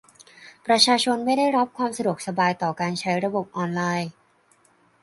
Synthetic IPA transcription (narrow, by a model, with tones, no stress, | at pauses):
pɾa˧t͡ɕʰaː˧t͡ɕʰo˧nma˥˩jda˥˩jɾa˦˥p̚kʰwaː˧msa˧du˨˩k̚sa˧baː˧jt̪ɔː˨˩kaː˧nt͡ɕʰa˦˥jɾa˧bo˨˩p̚ʔɔː˧nlaː˧j